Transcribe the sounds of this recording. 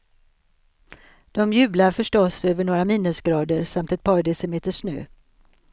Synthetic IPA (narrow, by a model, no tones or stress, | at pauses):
d̪̥ɔmjʉ̟ːblaɾfœʂʈɔsøːvəɳoːɾamiːnːɵsɡɾɑːd̪əɾsamt̪ɛt̪̚pʰɑːɾɖɛsəmeːt̪əʂnø̰ː